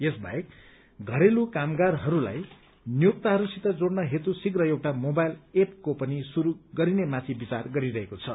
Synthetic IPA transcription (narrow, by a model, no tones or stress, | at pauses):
jesba̰ek | ɡʱʌɾelukamɡarɦʌɾula̰j | nijuk̚t̪aɦʌɾusit̪ʌd͡zoɽnʌɦet̪usiɡrʌewʈamobajlep̚kopʌnisuɾuɡʌɾinemãt̪ʰibit͡sarɡʌɾiɾʌɦekot͡sʰʌ